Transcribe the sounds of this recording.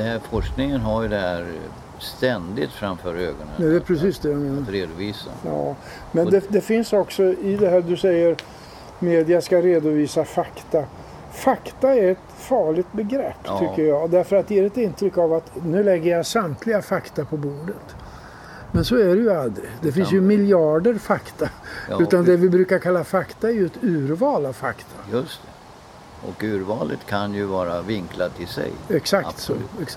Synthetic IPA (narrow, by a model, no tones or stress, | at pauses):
ɛhæɾfɔʂknɪŋənɦaɾjɵd̪ɛɦæ̰ɾ | st̪ɛnd̪ɪ̰t̪fɾa̰mfœ̰ːɾø̰ːɡɔnə̰d̪ɛpʰɾɛsiːsd̪ɛjameːnaɾɾeːd̪ʊviːsa̰jɑ̰ː | mɛnd̪ɛd̪ɛfɪnsɔksɔɪd̪ɛɦæːɾd̪ɵsɛjːəɾ | meːd̪ɪaskaɾeːd̪ʊviːsafakt̪a | fakt̪aæɾɛt̪fɑːɭɪɡt̪̚bɛɡɾɛpːt̪ʰʏkːəjɑːd̪æɾfœɾat̪̚d̪jeːɾɛt̪ɪnt̪ʰɾʏkːavat̪nʉ̟ːlɛɡːəjasamt̪ʰlɪɡafakt̪apʰɔbuːɖət̪ | mɛnsɔæɖɛjɵald̪ɾɪd̪ɛfɪns̬jɵmɪljɑːɖəɾfakt̪aʉ̟ːt̪and̪ɛvɪbɾʉ̟ːkaɾkʰalːafakt̪aɛɾjɵɛt̪ʉ̟ːɾvɑːlavfakt̪ʰajɵst̪ | ʔɔ̰kʉ̟ːɾvɑːlə̰t̪kʰanjɵvɑːɾavɪŋkʰlat̪ʰːɪlsɛ̰jɛksakt̪sɔ